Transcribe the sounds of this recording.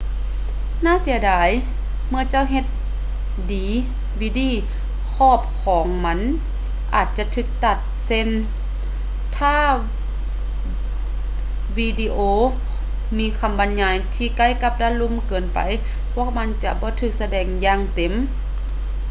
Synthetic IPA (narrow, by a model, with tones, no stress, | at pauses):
naː˧˥˨si˨˦ɐdaː˨˦j | mɯ˧ɐt͡ɕa˧˥˨wɦe˧t̪̚ | diː˨˦ | wiː˧˥diː˧˥˩ | kʰɔː˧˥˩p̚kʰɔː˨˦ŋma˧˥n | ʔa̰ː˨˩t̪̚t͡ɕa˧˦t̪ʰɯː˧˩k̚t̪a˧˩t̪̚se˧˥˨n | t̪ʰaː˧˥˩ | wiː˧diː˧ʔoː˧ | miː˧˥kʰa˧˨mba˨˦nɲaː˧˩jt̪ʰiː˧˩ka˧˥˨jka˧p̚daː˧lu˧˨mkɤː˨npa̰˨˦j | pʰɔ˧˩əma˧˥nt͡ɕa˧bɔː˧˦t̪ʰɯː˧˩k̚sa˧dɛː˧˩ŋjaː˧˨ŋt̪e˨˦m